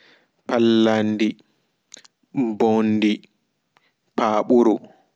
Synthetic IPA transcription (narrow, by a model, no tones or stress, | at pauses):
palːandi | bondi | paːɓuɾu